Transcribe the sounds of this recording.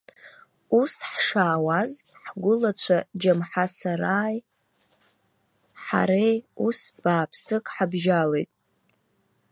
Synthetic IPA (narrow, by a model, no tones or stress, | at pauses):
usħʂaːwazħɡʷʊlat͡ɕʷʰad͡ʒamħasaɾaːj | ħa̰ɾejusb̥aːpʰsɨkʼħabʒalejtʼ